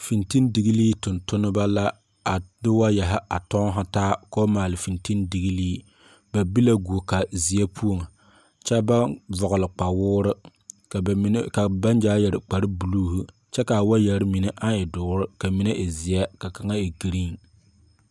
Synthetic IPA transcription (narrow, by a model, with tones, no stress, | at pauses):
fi˨nti˦ndi˨ɣi˦liː˦tʊ˨ntʊ˦nɨ˦ba˦la˦ | a˨dɪ˦wa˦jɛ˨ɦɪ˦a˨tɔ˦ŋ˦ɦa˦taː˦ko˦maː˨lɨ˨fi˨nti˦ndi˨ɣi˦liː˦ | ba˨bi˦la˦ɡu˨o˨ka˨zi˨ɛ˦pʰu˦o˨ŋ˨ | t͡ʃɛ˦ba˦vʊ˨ɣʊ˨lɨ˨k͡pa˨wʊː˦ɾɨ˦˨˦ | ka˨ba˦nd͡ʒaː˦jɛ˨ɾɪ˨k͡pa˨ɾɨ˦bu˨luː˦hu˦ | t͡ʃɛ˦ka˨wa˦jɛ˨ɾɪ˦mi˨nɛ˦ʔa˦ɪ˨dʊː˨˦ɾɪ˦ka˨mi˦ne˦ʔɪ˨zɪ˨ɛ˦ka˨ka˨ŋa˦e˨ɡi˨ɾi˦˨ŋ